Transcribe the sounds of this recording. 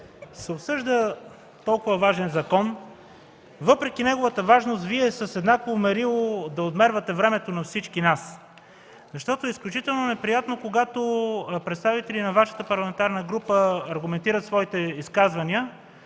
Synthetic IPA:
sɛopsɤʒd̪ə | t̪ɔlˠkʊvəvaʒɛnzɐkɔn | vɤpɾɛk̟inɛɡovət̪əvaʒnost̪viɛsəsɛd̪nakovomɛɾilˠod̪ɐod̪mɛɾvɐt̪ɛvɾɛmɛt̪onɐfsit͡ʃkinas | zɐʃt̪ɔt̪oɛisklʲut͡ʃit̪ɛlˠnonɛpɾijat̪nokoɡat̪opɾɛt̪st̪avit̪ɛlinɐvaʃə̥t̪əpɐɾlˠɐmɛnt̪aɾnəɡɾupəɐɾɡʊmɛnt̪iɾət̪svɔit̪ɛiskazvɐniə

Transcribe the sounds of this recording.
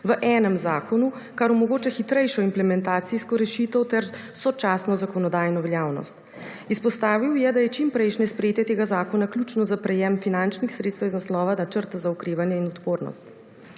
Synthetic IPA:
ʋəʔɛːnəmzaːkɔnu | kaɾumɔɡoːt͡ʃɛxit̪ɾɛjʃɔimplɛmɛnt̪aːt̪siskɔɾɛʃit̪əwt̪ɛɾ | sɔt͡ʃaːsnɔzakɔnɔd̪aːjnɔʋɛljaːwnɔ̰st̪ | ispɔst̪aːʋiwjɛd̪ajɛt͡ʃimpɾɛjʃnɛspɾɛjeːt̪jɛt̪eːɡazaːkɔnaklʲjut͡ʃnɔzapɾɛjɛmfinant͡ʃnixsɾet̪st̪ɛwiznaslɔːʋanat͡ʃəɾt̪azaukɾeːʋanjɛinɔt̪poːɾnɔ̰st̪

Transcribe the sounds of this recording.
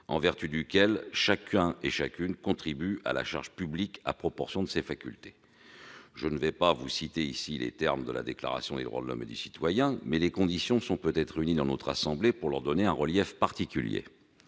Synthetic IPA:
ɑ̃vɛʁt̪yd̪ykʲɛlʃakʲʰɛ̃eʃakʲynkɔ̃t̪χibya̰la̰ʃa̰ʁʒəpyblika̰pχɔpɔʁsjɔ̃d̪əsefakʲylt̪e̥ | ʒənəvɛpavusit̪eisilḛt̪ɛʁmd̪əla̰d̪ekla̰ʁa̰sjɔ̃d̪ḛd̪ʁwa̰d̪əlɔ̰mḛd̪ysi̥t̪wajɛ̃mɛlekɔ̃d̪isjɔ̃sɔ̃pøt̪ɛt̪χynid̪ɑ̃not̪χasɑ̃blepuʁlœʁd̪ɔneɛ̃ʁəljɛfpaʁt̪ikʲyljḛ

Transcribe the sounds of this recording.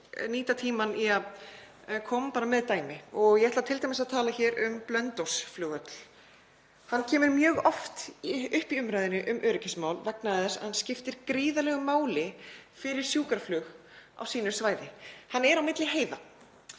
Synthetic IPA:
niːt̪at̪ʰiːmaniað | kʰɔːmpaːɾamɛðt̪aːjmɪɔɣjɛɛht̪lat̪ʰɪlt̪ʰajmɪsaðt̪ʰaːlaçɛːɾʏmplœnt̪owsflʏːɣœt̪l̥ | hanːcʰɛːmʏɾmjœːɣɔft̪ʏhpiʏmɾajðɪnːɪʔʏmʔœːɾɪcɪsmaːwlvɛknaɛsahanscɪft̪ɪɾ̥kɾiːðalɛɣʏmaːwlɪfɪɾɪɾ̥sjuːkaɾflʏːɣ | a̰wsiːnʏ̥svaːjðɪhanːɛɾawmɪt̪lɪɦeːjða

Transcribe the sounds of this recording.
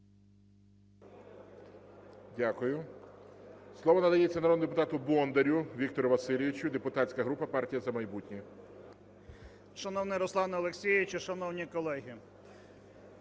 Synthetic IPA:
dʲakʊjʊ | slˠɔʋɔnɐd̪ɐjet͡sʲːɐnɐɾɔd̪nʊd̪epʊt̪ɑt̪ʊbɔnd̪eɾʲʊʋʲik̚t̪ɔɾʊʋɐsɪlʲɪʋʲit͡ʃʲʊd̪epʊt̪ɑt͡ssʲkɐɦɾupɐpɑrtʲijɐzɐmɐjbutʲnʲi | ʃɐnɔwnɪjɾɔslˠɑnɐlˠeksʲijɪʋɪt͡ʃiʃɐnɔwnʲikɔlˠɛɦʲi

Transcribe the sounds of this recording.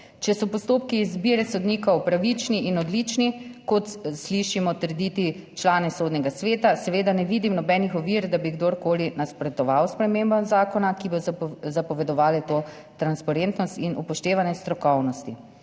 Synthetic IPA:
t͡ʃɛsɔpɔst̪oːpkiːzbiɾɛsɔd̪niːkɔwpɾaʋit͡ʃniʔinɔd̪lit͡ʃnikɔt̪sliʃimɔt̪əɾd̪it̪i | t͡ʃlaːnɛsoːd̪nʲɛɡasʋeːt̪asɛʋeːd̪anɛʋiːd̪imnɔbɛnixɔʋiɾd̪abiɡd̪oɾkoːlinaspɾɛt̪ɔʋawspɾɛmembɔzaːkɔnakibozapɔʋɛd̪ɔʋaːlɛt̪oː | t̪ɾanspaɾent̪nɔst̪inʔupɔʃt̪eːʋanjɛst̪ɾɔkɔwnɔst̪i

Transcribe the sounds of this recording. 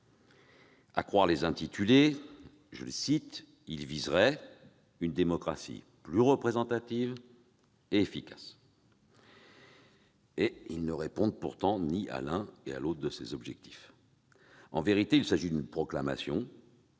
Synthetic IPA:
a̰kχwaʁlezɛ̃t̪it̪ʰyle | ʒə̰ləsit̪ | ilvizʁɛ | ynd̪emɔkχa̰sḭ | plyʁəpχezɑ̃t̪at̪iv | eːfikʲḁs | eilnəʁepɔ̃d̪puʁt̪ɑ̃niʔa̰lɛ̃ea̰lot̪χd̪əsḛzɔbʒɛk̚t̪i̥f | ɑ̰̃veʁit̪eilsaʒid̪ynpχɔklama̰sjɔ̃

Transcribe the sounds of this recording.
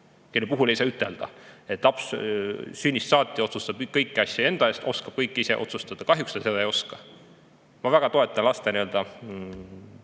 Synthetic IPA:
kelːepuɦule̞jsɑːyt̪ːˑe̞ld̪̥ɑ̰e̞t̪ːˑlɑps | synʲːist̪sɑːt̪ʲːˑio̞t̪sust̪ɑb̥ːɤjkːiɑsʲjɑe̞nd̪̥ɑe̞ːst̪ʔo̞skɑb̥̚kɤjkːise̞̰ʔo̞̰t̪sust̪ɑd̪̥ɑkɑɦjuksɑsed̪ɑejo̞skɑ | mɑvæɡ̥ɑt̪o̞e̞t̪ːˑɑnlɑst̪eniø̞ld̪̥ɑ

